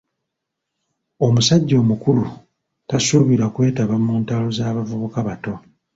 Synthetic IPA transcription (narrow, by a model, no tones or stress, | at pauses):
o̞musaɟːo̞ːmukulu | tasuβiɾakwe̞ːtaβamuːntalo̞zaːβavuβukaβato̞